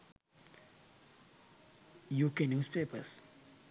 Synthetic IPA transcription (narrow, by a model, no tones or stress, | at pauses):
juːkeːnjuːspeːpəɾs